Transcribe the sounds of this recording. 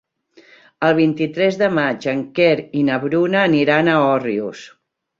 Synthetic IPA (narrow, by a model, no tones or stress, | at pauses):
əlˠβ̞int̪it̪ɾɛzðəmad͡ʒəŋkɛɾinəβɾunəːniɾanəɔriṵs